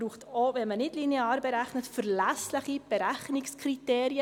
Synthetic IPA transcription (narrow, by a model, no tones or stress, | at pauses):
ɾuːχtovɛnmənɪdlineɑːɾbɛɾæχnətfəɾlæsləχib̥ɛɾæχnɪkskʰriteːɾiə